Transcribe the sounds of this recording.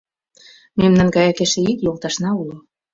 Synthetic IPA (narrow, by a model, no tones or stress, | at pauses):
memnɑnɡɑjɑkeʃĕikjolˠt̪ɑʃnɑulo